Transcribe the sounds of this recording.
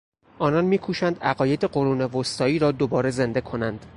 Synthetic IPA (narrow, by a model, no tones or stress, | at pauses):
ʔɒːnɒnmiːkʰuːʃænd̪æɣɒːje̞d̪eɢo̞ɾuːnevost̪ʰɒːiːɾɒːd̪obɒːɾe̞ze̞nd̪e̞kʰo̞nænd̪̥